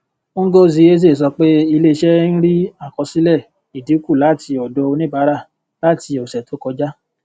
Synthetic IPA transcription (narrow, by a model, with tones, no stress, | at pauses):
ŋ̩˦ɡo˦zi˧˦e˦z̬e˦˨s̬ɔ˧k͡pe˦i˧le˦˧ʃɛ˦n̩˦ɾi˦a˦˨kɔ˧si˦lɛ˦˨ | i˨di˨˦ku˦˨la˨˦˨ti˧ɔ˨dɔ˧o˧nĩ˦˨ba˨˦ɾa˦˨ | la˦˨ti˧o˨sɛ˨to˨˦kɔ˧d͡ʒa˦